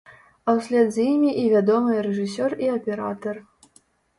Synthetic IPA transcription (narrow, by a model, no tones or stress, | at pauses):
ɐwsʲlʲɛd̪zjimʲiʔivʲad̪ɔmɨjɾɛʐɨsʲɔriɐpʲɛɾa̰t̪ɐr